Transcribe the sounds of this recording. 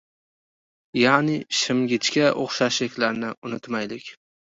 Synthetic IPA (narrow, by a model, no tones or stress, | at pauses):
janɪʃɪmɡʲɪt͡ʃkʲaʔoχʃaʃlɪkʲlaɾnɪʊnɪt̪majlɪkʲ